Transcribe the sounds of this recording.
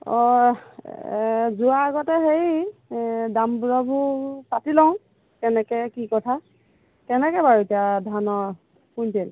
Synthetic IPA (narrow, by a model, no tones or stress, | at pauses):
ɔ | zuaːɡɔtɛɦej | dambɹɔbʱusatilɔʊ̃ | kɛnɛkɛkikɔtʰa | kɛnɛkɛbaɹutiadʱanɔ | puntel